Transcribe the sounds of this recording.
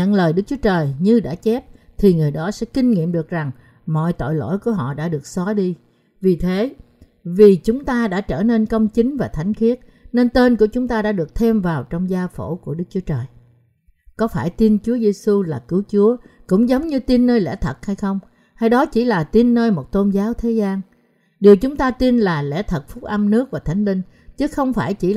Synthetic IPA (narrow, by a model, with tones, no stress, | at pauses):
ɲə̰˧˨nləː˨˩jɗɨ˦˥k̚t͡ɕu˨˦ət͡ɕəː˨˩jɲɨ˧ɗa̰ː˧˥t͡ɕɛ˦˥p̚t̪ʰi˨˩ŋɨ˨˩əjɗɔ˨˦sɛ̰˧˥kï˧ŋ̟ŋḭ˧əmɗɨ˨˩ək̚za˨˩ŋ | mɔ̰˧˨jt̪o̰˧˨jlo̰˧˥˨jku˧˩əɦɔ̰˧˨ɗa̰ː˧˥ɗɨ˨˩ək̚sɔ˨˦ɗi˧ | vi˨˩t̪ʰe˨˦ | vi˨˩t͡ɕʊ˨˦ŋ͡mt̪aː˧ɗa̰ː˧˥t͡ɕəː˧˩ne˧nkə˧wŋ͡mt͡ɕï˨˦ŋ̟vaː˨˩t̪ʰa˨˦jŋ̟xi˦˥ət̚ | ne˧nt̪e˧nku˧˩ət͡ɕʊ˨˦ŋ͡mt̪aː˧ɗa̰ː˧˥ɗɨ˨˩ək̚t̪ʰɛ˧mvaː˨˩wt͡ɕɔ˧wŋ͡mzaː˧fo̰˧˥ku˧˩əɗɨ˦˥k̚t͡ɕu˨˦ət͡ɕəː˨˩j | kɔ˨˦faː˧˩jt̪i˧nt͡ɕu˨˦əze˧su˧laː˨˩kɨ˨˦wt͡ɕu˨˦əkʊ̰˧˥ŋ͡mzə˨˦wŋ͡mɲɨ˧t̪i˧nːəː˧jlɛ̰˧˥t̪ʰə˨˩t̚ha˧jxə˧wŋ͡m | ha˧jɗɔ˨˦t͡ɕi˧˩laː˨˩t̪i˧nːəː˧jmo˨˩t̚t̪o˧nzaː˨˦wt̪ʰe˨˦zaː˧n | ɗi˨˩əwt͡ɕʊ˨˦ŋ͡mt̪aː˧t̪i˧nlaː˨˩lɛ̰˧˥˩t̪ʰə˨˩t̚fʊ˦˥k͡p̚ʔə˧mnɨ˦˥ək̚vaː˨˩t̪ʰa˨˦jŋ̟lï˧ŋ̟ | t͡ɕɨ˨˦˥xə˧wŋ͡mfaː˧˩jt͡ɕḭ˧˩